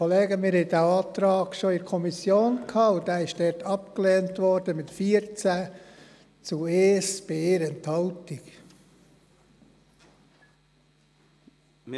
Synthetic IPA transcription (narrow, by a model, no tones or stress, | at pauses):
oleːɡəmɪɾhɛɪd̥æːɑːt̪ɾɑːɡʃoɪɾkʰɔmisjoːnkʰhɑːʊdæːɪʃd̥ɛɾtʰɑpklɛːntʋɔɾd̥əmɪtfiːəɾt͡sæ | t͡sueːsb̥eɾɛnthɑltɪk